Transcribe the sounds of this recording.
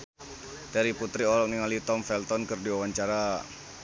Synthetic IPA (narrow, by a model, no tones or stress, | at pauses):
t̪ɛɾiput̪ɾiɔlɔk̚niŋalit̪ɔmfɛlt̪ɔnkərdiwawaɲt͡ʃaɾa